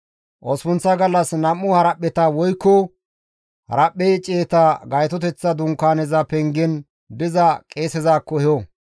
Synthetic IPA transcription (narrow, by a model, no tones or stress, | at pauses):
ʔɔspʊnt͡sːɐɡɐlːɐsnɐmːʊhɐɾɐpːɛt̪ɐwɔjkːɔ | hɐ̰ɾɐpːet͡ʃʼeːt̪aɡɐjt̪ɔt̪ɛt͡sːɐd̪ʊŋkaːnɛzɐpɛŋɡɛn | bɪzɐkʼe̞ːsɛzaːkːɔhjo